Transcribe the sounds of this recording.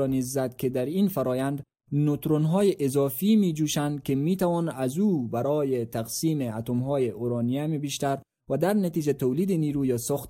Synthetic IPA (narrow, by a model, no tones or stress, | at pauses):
ɔnizːad̪ked̪aɾinfaɾɒːjand̪ | not̪ɾonɦɒːjeʔɪzɒfimid͡ʒuʃand̪̚kemit̪awɒnazubaɾɔːjet̪aqsiːmeat̪omɦɔːjeʔoɾɑːnijamebiʃt̪aɾ | vad̪aɾnat̪id͡ʒat̪owliːd̪eniːɾujɒsɔxt̪